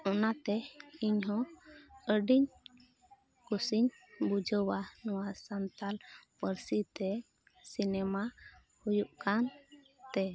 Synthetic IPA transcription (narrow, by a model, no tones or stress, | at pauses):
ɔnat̪ɛiɲɦɔ̃əɖiɲ | kusiɲ | bud͡ʒəwanɔwasant̪alpəɾsit̪ɛ | sinɛma | hujuʔkan | t̪ɛ